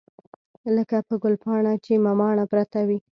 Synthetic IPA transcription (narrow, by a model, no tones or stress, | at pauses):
ləkapəɡʊlpɑɳat͡ʃemamɑɳapɾat̪awi